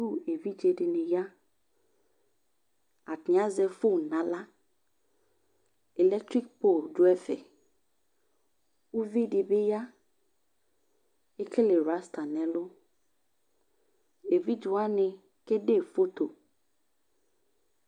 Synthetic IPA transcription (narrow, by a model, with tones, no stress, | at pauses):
ɾu˦e˨vi˦d͡ʒe˨ɖɪ˨ne˨ja˦ | a˨tã˦zɛ˨fo˦˨nã˨la˦ | e˨lɛ˦k̚t̪ɾi˦k̚po˦˨ldo˦ɛ˦fɛ˨ | wu˦vi˦ɖɪ˨be˦ja˦ | e˦ke˦le˨ɾa˦st̪a˨nɛ̃˨lʊ˦ | e˨vi˦d͡ʒu˨a˦nɪ̃˨ | ke˦ɖe˦˨fo˦t̪o˨